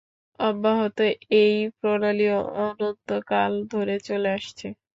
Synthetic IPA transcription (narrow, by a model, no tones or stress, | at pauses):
ɔbːaɦot̪oejpɾonalioɔnont̪okald̪ʱoɾet͡ɕoleaʃt͡ɕʰe